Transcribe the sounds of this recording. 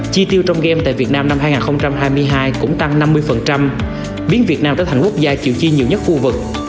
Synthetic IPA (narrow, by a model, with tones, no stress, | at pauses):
t͡ɕi˧t̪i˧əwt͡ɕɔ˧wŋ͡mɣɛ˧mt̪a̰ː˧˨jvi˨˩ət̚naː˧mna˧mhɦaː˧jŋaː˨˩nxə˧wŋ͡mt͡ɕa˧mɦaː˧jmɨ˧əjɦaː˧jkʊ̰˧˥ŋ͡mt̪a˧ŋna˧mːɨ˧əjfə˨˩nt͡ɕa˧m | ɓi˨˦ənvi˨˩ət̚naː˧mt̪əː˧˩t̪ʰːŋku˦˥ək̚zaː˧t͡ɕḭ˧˨wt͡ɕi˧ɲi˨˩˨əwɲə˦˥t̚xu˧vɨ˨˩k̚